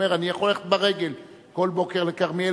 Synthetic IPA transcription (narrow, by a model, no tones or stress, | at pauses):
eʁanijaχoleχet̪baʁeɡe̞l | ko̞lbo̞keʁlekaχmie